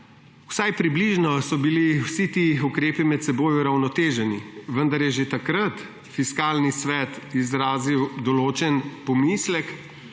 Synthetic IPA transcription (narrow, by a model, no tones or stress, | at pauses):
usajpɾibliʒnɔsɔbiliwsit̪iukɾeːpimɛt̪sɛboːjuɾawnɔt̪eːʒɛniʋənd̪aɾjɛʒet̪akɾat̪ | fiskaːlnisʋɛt̪izɾaːziwd̪ɔloːt͡ʃɛnpɔmislɛk